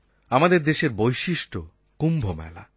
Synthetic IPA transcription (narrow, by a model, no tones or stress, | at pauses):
amad̪eɾd̪eʃeɾbojʃiʃʈo | kumbʱomɛ̰la